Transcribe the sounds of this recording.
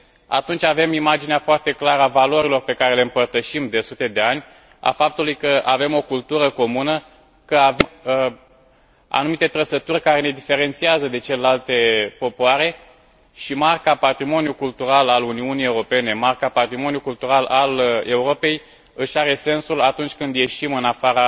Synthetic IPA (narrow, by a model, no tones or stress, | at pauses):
a̰t̪unt͡ʃʲave̞mimad͡ʒineafoart̪e̞klaɾəavalo̞ɾilo̞rpe̞kaɾe̞le̞ɨmpərt̪əʃimd̪e̞sut̪e̞d̪e̞anʲ | a̰fap̚t̪ulujkəʔave̞mo̞kult̪uɾəko̞munə | kəave | a̰numit̪e̞t̪ɾəsət̪urʲkaɾe̞ne̞d̪ife̞ɾe̞nt̪siazəd̪e̞t͡ʃe̞lelalt̪e̞po̞poaɾe̞ | ʃimarkapat̪ɾimo̞nʲjukult̪uɾalaluniunije̞uɾope̞ne̞markapat̪ɾimo̞njukult̪uɾalale̞uɾo̞pe̞j | ɨʃaɾe̞se̞nsulat̪unt͡ʃʲkɨnd̪je̞ʃimɨnafaɾa